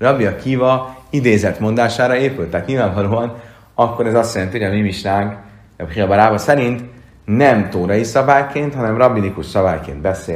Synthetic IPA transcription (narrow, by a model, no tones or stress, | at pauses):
rɒbiɒkiːvɒid̪eːzɛt̪mo̞nd̪aːʃaːɾɒeːpylt̪ɛt̪ɲilvaːɱvɒloːɒn | ɒkːo̞ɾɛzɒst̪jɛlɛnt̪ihojɒmimiʃnaːŋk | pχiɒbɒɾaːbɒsɛɾint̪ | nɛmt̪oːɾɒjisɒbaːjkeːnt̪hɒnɛmrɒbːinikuʃsɒbaːjkḛːnd̪̚bɛseː